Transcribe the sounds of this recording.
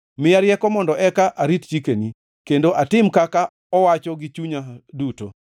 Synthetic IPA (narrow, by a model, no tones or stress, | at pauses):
mɪaɾɪjɛkɔmɔndɔʔɛkaʔaɾitt͡ʃikeni | kendoʔatɪmkaka | ɔwat͡ʃɔɡɪt͡ʃuɲaduto̰